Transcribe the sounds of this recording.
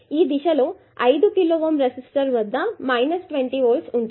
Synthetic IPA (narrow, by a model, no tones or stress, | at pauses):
iːd̪iʃɐloː | ɐjd̪ukiloːʋɐmɾesisʈɐɾʋɐd̪ʱːɐmɐjnɐsʈʋeɳʈiːʋoːlsuɳ